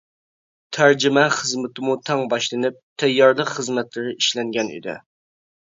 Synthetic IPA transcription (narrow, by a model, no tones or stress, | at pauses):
t̪ʰæɾd͡ʒɪmɛχəzmɪt̪ʰɪmut̪ʰɛŋbɑʃlˠɨnɨp̚t̪ʰɛjːɑɾlˠəqχəzmɛt̪lɪɾɪʔiʃlɛŋɡʲɛnḭd̪ɪ̰